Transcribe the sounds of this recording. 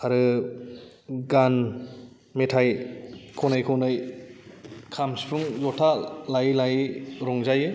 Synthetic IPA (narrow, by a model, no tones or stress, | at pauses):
aɾɯ | ɡan | metʰajkʰonɯjkʰonɯj | kʰamsipʰuŋlɔtʰalajlajɾɔŋzajɯ